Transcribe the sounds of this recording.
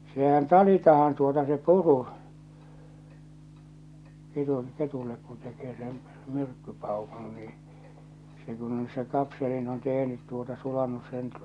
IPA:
sehæn tɑlitɑhɑn tuotɑ se puru ketun ketulːek kun tekeː sen myrkːypɑˑukun niː se kun on se kɑpselin on tehnyt tuotɑ sulɑnːus sen

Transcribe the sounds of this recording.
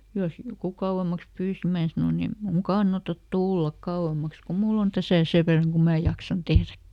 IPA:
jos joku kɑuw̆emˑɑks pyːsi mæː sɑnon em muːŋ kɑnːɑtɑt tulːɑk kɑuw̆emˑɑks ku mulː on tæsæˑ seʋ ʋerːɑŋ kum mæː jɑksɑn tehrækːi

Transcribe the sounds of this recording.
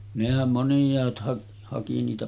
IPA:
nehæm monĭjˑɑːt hɑk hɑki niːtæ

